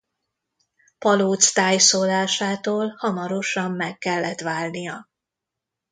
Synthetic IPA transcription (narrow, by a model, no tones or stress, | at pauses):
pɒloːt̪st̪aːjsoːlaːʃaːt̪oːlhɒmɒɾo̞ʃɒmːɛkːɛlːɛt̪ʋaːlnijɒ